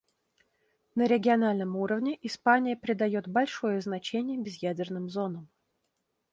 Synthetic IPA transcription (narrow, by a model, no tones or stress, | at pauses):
nəɾʲɪɡʲɪɐnalʲnəmuɾəvnʲɪʔɪspanʲɪjəpɾʲɪd̪ɐjo̞t̪bɐlʲʂo̞jəznɐt͡ɕenʲɪjəbʲɪzjædʲɪrnɨmzo̞nəm